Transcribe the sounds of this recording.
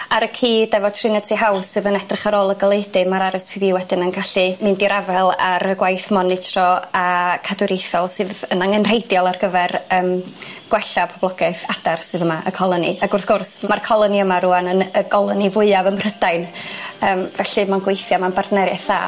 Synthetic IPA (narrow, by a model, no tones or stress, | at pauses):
aɾəkʰiːdɛvɔtʰrɪnɛtʰiɦawsɨðənɛdrɪχaɾoːlˠəɡəlˠejdɨmaɾaɾɨspʰɪviːwɛdɪnənɡaɬimɨndiɾavɛlˠaɾəɡwajθmɔnɪtʰrɔakʰadwɾejθɔlˠsɨːðənaŋənr̥ejdjɔlˠarɡəvɛrəːmɡ̥wɛɬapʰɔb̥lˠɔɡaɨθad̥arsɨðəmaʔəkʰɔlˠənḭaɡʊrθɡ̥ɔrsmarkʰɔlˠəniəmaɾuanənəɡɔlˠənivʊɨavəmr̥ədajn | əːmvɛɬɨmanɡwejθjamanbardnɛɾjaθa̰ː